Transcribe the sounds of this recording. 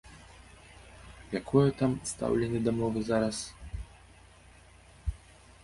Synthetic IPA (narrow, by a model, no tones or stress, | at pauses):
jakʰɔjɛt̪amst̪a̰wlʲɛnʲɛd̪ɐmɔvɨzaɾɐs